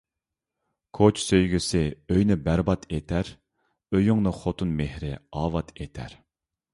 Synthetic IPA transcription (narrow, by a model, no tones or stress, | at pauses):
kʰot͡ʃsøjɡʲysɪøjnɪbæɾbɑt̪ʰet̪ʰæɾ | øjyŋnɨχot̪ʰunmehɾɪɑːvɑt̪ʰet̪ʰæ̰ɾ